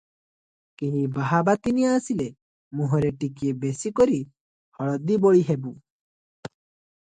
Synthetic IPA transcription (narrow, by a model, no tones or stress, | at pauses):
kiɦĩbaɦabat̪inijaːsile | mũɦɔɾeʈikiebesikɔɾi | hɔɭɔd̪ibɔɭiɦebu